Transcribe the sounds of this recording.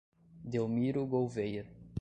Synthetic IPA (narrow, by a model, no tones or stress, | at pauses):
d̪ewmiɾʊɡowvejɾ